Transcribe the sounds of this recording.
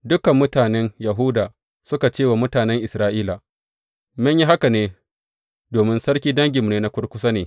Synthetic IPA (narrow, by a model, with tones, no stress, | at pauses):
dʊ˦kɐ˨mːʊ˦taː˨nɛ˦njɐ˨ɦuː˦daː˨ | sʊ˦ka˨t͡ʃeː˦wa˨mʊ˦taː˨nɛ˦ŋʔɪ˨sɾaː˦ʔiː˦la˨ | mɪ˦ɲji˦ɦa˦ka˨neː˦ | doː˨mɪ˦nsɐ˦ɽkʲiː˦dɐ˦ŋɡʲɪ˨mneː˦na˦kʷʊ˦ɽkʷʊ˦sa˦neː˨